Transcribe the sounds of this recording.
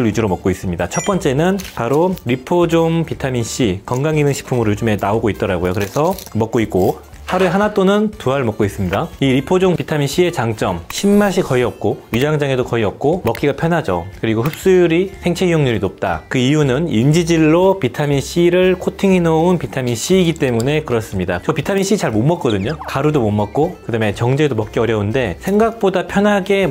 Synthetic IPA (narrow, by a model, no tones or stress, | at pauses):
ɯɭɥid͡ʑiɾomʌk͈ois͈ɯmɲidat͡ɕʰʌt̚p͈ʌnt͡ɕ͈e̞nɯnpaɾoɾipʰod͡ʑoŋpitʰaminɕ͈ikʌŋɡaŋinɯŋɕʰi̥pʰumɯɾojod͡ʑume̞naoɡoit͈̚ʌɾaɡojokɯɾe̞sʰʌmʌk͈oik͈̚o | haɾueɦanat͈onɯntuaɭmʌk͈ois͈ɯmɲidaiɾipʰod͡ʑoŋpitʰaminɕ͈ie̞t͡ɕaŋt͡ɕ͈ʌmɕʰimːaɭɕ̬ʰikʌiʌp̚k͈ojud͡ʑaŋd͡ʑaŋe̞dokʌiʌp̚k͈omʌk͈iɡapʰjʌnɦad͡ʑʌ̰kɯɾiɡoɸɯp̚s͈ujuɾisʰe̞ŋt͡ɕʰe̞ijoŋɲuɾinop̚t͈a̰kɯijunɯnind͡ʑid͡ʑiɭːopitʰaminɕ͈iɾɯɭkʰotʰiŋinounpitʰaminɕ͈iːɡit͈e̞mune̞kɯɾʌs͈ɯmɲidat͡ɕʌpitʰaminɕ͈ʰit͡ɕaɭmomːʌk͈ʌdɯɲokaɾudomomːʌk̚k͈okɯdame̞t͡ɕʌŋd͡ʑedomʌk͈iʌɾjʌunde̞sʰe̞ŋɡak̚p͈odapʰjʌnɦaɡe̞